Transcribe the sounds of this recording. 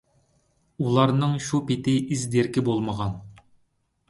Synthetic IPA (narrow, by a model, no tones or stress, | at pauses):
ulˠɑɾnɨŋʃupɪt̪ʰɪʔizd̪eɾkʲʰibolˠməʁɑn